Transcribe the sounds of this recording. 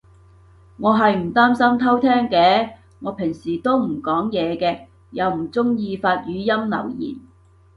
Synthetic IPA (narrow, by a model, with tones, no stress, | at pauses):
ŋɔː˨˧ɦɐ˨jm̩˨˩t̪aː˥msɐ˥mt̪ʰɐ˥wt̪ʰɛː˥ŋkɛː˧ | ŋɔː˨˧pʰɪ˨˩ŋsiː˨˩t̪o˥wm̩˨˩kɔː˨˥ŋjɛː˨˧kɛː˧ | jɐ˨˧wm̩˨˩t͡sʊ˥ŋjiː˧faː˧t̚jyː˨˧jɐ˥mlɐ̰˨˩wjḭː˨˩n